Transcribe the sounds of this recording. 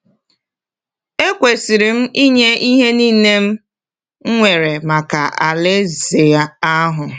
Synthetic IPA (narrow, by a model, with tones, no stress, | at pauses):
e˦kʷe˨si˨ɾi˨m̩˦i˦ɲe˦i˦ɦe˦niː˦˨ne˦m̩˦ | ŋʷe˨ɾe˨ma˨ka˨a˨le˦ze˨a˦a˦ɦʊ˨